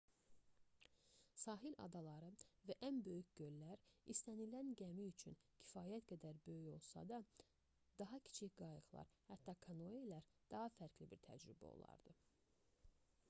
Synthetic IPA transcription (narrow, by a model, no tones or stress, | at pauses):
sɑːɦilʔɑ̰d̪ɑlˠɑɾɯvæʔænbø̞jycɟø̞lːæɾist̪ænilænɟæmiyt͡ʃʰyncʰi̥fɑːjæt̪ɡæd̪æɾbø̞jyço̞lˠsɑ̰d̪ɑ | d̪ɑɦɑcʰi̥t͡ʃʰiçɡ̥ɑjɯɣlˠɑ̰ɾhæt̪ːɑkʰɑnoelæɾd̪̥ɑɦɑfæɾcʰlibiɾt̪ʰæ̰d͡ʒɾybæ̰o̰lˠɑ̰ɾd̪̥ɯ